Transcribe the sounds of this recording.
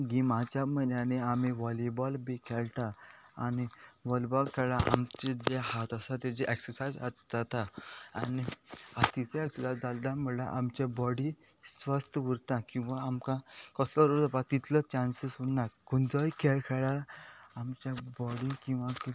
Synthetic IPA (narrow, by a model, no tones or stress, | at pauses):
ɡ̪imat͡ɕamənaneamiʋɔlibɔlbikʰɛlt̪a̰ː | niʋɔlibɔlkʰɛɭaʔa̰mt͡ɕed͡zehat̪asãt̪ed͡ʑeʔɛksəɾsad͡za̰t̪d͡zat̪aa̰niat̪iseɛksəɾsajd͡zald̪am̤əɽlaʔamt͡ɕabɔɽi | sʋast̪əʋəɾt̪ãkĩw̃ʋaːmkãkɔslɔɾod͡zapat̪it̪ʰlət͡ɕansəsunːakund͡zɔjkʰɛlkʰɛɭaamt͡ɕjabɔɽikĩw̃ʋãk